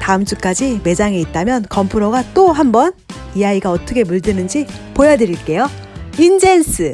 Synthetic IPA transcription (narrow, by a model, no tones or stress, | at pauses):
taɯmt͡ɕ͈uk͈ad͡ʑime̞d͡ʑaŋe̞it̚t͈amjʌnkʌmpʰuɾoɡat͈oɦambʌn | ijaiɡaʌt͈ʌkʰe̞muɭdɯnɯnd͡ʑi | pojʌdɯɾiɭk͈e̞jo | ind͡ʑensʰɯ